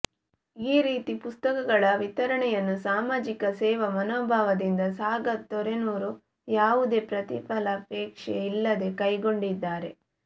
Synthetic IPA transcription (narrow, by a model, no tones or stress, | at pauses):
iːɾiːt̪ipust̪ɐkɐɡɐɭɐʋit̪ɐɾɐɳɛjɐnːusaːmaːd͡ʒikɐsɛːʋɐmɐnoːbʱaːʋɐd̪ind̪ɐsaːɡɐt̪ːɔɾenuːɾu | jaːʋud̪e̞ːpɾɐt̪ḭpɐlɐpeːkʂeilːɐd̪e̞kɐjɡo̞ɳɖid̪ːaːɾe̞